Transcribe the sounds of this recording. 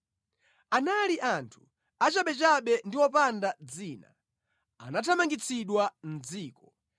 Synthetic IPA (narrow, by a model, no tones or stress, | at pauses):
analiʔantʰu̥ | at͡ʃaɓɛt͡ʃaɓɛndiwɔpandad͡ziːna̰ | anatʰamaŋɡit͡sʰiɗwan̩d͡ziːkɔ